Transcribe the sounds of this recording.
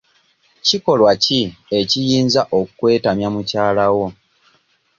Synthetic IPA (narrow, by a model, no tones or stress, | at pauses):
ciko̞lwacie̞cijiːnzaʔokukwe̞ːtamjamucaːlawo̞